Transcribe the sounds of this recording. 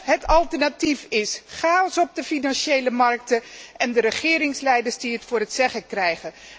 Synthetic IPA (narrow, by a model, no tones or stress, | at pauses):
ɦətɑlˠtɛɹnatifɪsχaːɔsɔp̚dəfinɑnʃejləmɑrk̚təʔɛndəɾəχɪːɾɪŋslɛjdəɹzdiɦətfʊːɹɦətsɛχəkrɛjχə